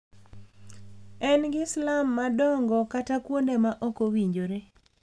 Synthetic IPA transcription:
ɛnɡɪslamːadɔŋɡɔkatakwondemaʔɔkowiɲd͡ʒoɾe

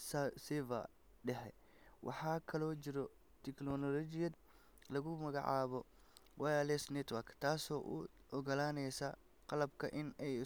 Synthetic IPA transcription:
ssɛvɐ̰ | ɖɛħɛ̰ | wʔɑ̰ħɑːkʰɐlɔːt͡ʃɪɾɔ | t̪ʰɪknɔnɔlɔt͡ʃɪjɐd̪ | lɐɣʊmɐɣɑ̰ʕɑ̰ːβɔ | wʔɑjaːlɛsnɛt̪wɐkt̪ʰaːsɔːʔṵɔɣɐlaːnɛjsaː | qɑlɐbkʰɐʔɪnɛj

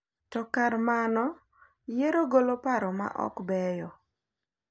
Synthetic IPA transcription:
tɔkarmanɔ | jeɾoɡolopaɾɔma̰ʔɔ̰kbɛjɔ

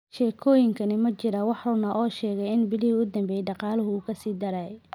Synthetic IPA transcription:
ʃɛːkʰɔːjɪŋkʰɐnɪmɐt͡ʃɪɾɐwɑħrʊnɐʔɔːʃɛːɣɛjɪnbɪlɪɦɪʊd̪ɐmbɛjɖɑqɑːlɐɦʊuːkʰɐsiːd̪ɐɾɛj

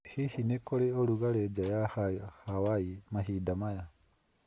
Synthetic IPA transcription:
hihinekoleoluɣaled͡ʒajahahawaimaɦidamaja

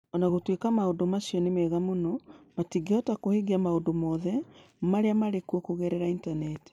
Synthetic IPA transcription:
ɔnaɣotwekamaondomasjɔnemɛɣamonɔmatiɡeɔtakoheɡiamaondomɔðɛ | maɾeamaɾekwɔkoɣɛɾɛɾaintanɛti̥

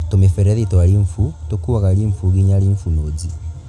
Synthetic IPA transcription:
tomefɛɾɛðitɔaɾiɱfutokuaɣaliɱfuɣiɲaliɱfunoːzi

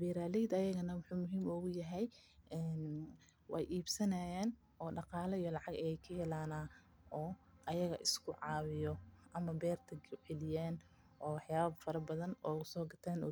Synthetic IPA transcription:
biːɾaːlɛjd̪ɐjɐɣɐnɐwʊħuːmʊɦiːmɔɣʊjɐɦɛjʔɛːn | wɑ̰jʔiːbsɐnɐjaːn | ʔɔːɖɑqɑːlɐijɔlɑʕɑɡɐjɛjkʰɐɦɛlaːnaː | ʔɔːʔɐjɐɣɐʔɪskʰʊʕɑːwɪjɔʔɐmɐbɛːrt̪ʰɐɡʕɛlɪjaːn | ʔɔːwɑħjjaːβɐbfɐɾɐbɐðɐnʔɔːʊsɔːɡɐt̪ʰaːnɔ̰ː

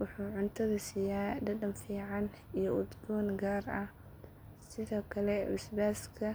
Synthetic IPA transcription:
wʊħuːʕʊnt̪ʰɐðɐsijaːdɐd̪ɐmfiːʕɑnijɔʊd̪ɡɔːnɡaːrɐh | sɪðɔːkʰɐlɛʊsbaːskʰɐ

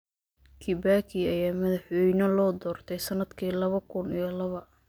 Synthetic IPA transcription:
kʰibaːkʰiːɐjaːmɐðɐħwɔjnɔlɔːd̪ɔːrt̪ʰɛjsɐnɐd̪kʰiːlɐβɐkʰʊnijɔlɐβɐ

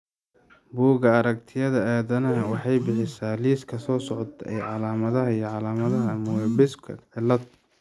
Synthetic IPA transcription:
buːɣɐɐɾɐkt̪ʰɪjɐðɐaːðɐnɐɦɐwɑħɑjbɪħɪsaːliːskʰɐsɔːsɔʕɔt̪ʰɐʔɛjʕɑlaːmɐðɐɦɐijɔʕɑlaːmɐðɐɦɐmʊwɛbɪskʰɐ̰ʕɪlːɐt̪

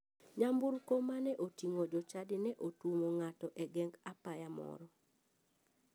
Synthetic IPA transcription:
ɲambuɾkomanɛʔotiŋod͡ʒɔt͡ʃadɪnɛʔotumoŋatɔʔɛɡɛŋɡapajamɔ̰ɾɔ

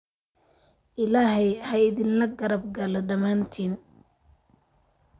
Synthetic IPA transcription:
ʔɪlaːɦɛjhɐɪðɪnlɐɡɐɾɐb̚ɡɐlɔɖɐmaːnt̪ʰiːn

